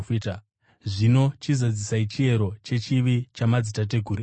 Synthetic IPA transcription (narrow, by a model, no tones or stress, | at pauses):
fit | ʐino̞t͡ʃizad͡zisait͡ʃie̞ɾo̞t͡ʃe̞t͡ʃiʋit͡ʃamad͡zitat̬e̞ɡʱuɾi